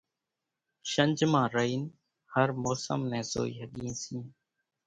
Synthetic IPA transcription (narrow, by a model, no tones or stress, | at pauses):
ʃənd͡ʒmãːɾəiːn | həɾmoːsə̰mnɛ̃ːso̰ːḭːɦəɠĩːsĩː